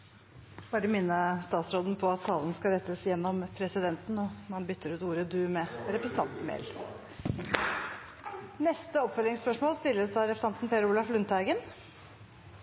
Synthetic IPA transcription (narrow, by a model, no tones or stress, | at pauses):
b̥ɑːɾəmɪnːəst̪ɑːt̪sɾoːd̪n̩pʰɔɑt̪ʰːɑːlənskɑɾɛt̪ːəsjɛnːɔmpʰɾɛsɪd̪ɛnt̪nɔmɑnbʏt̪ʰːəɾʉːt̪uːɾəd̪ʉːmɛɾɛpɾəsn̩t̪ɑnt̪n̩mḛːl | nɛst̪əɔpfœlɪŋspœʂmoːlst̪ɪlːəsɑɾɛpɾəsɑnt̪n̩pʰeːɾuːlɑflʉnt̪æɡən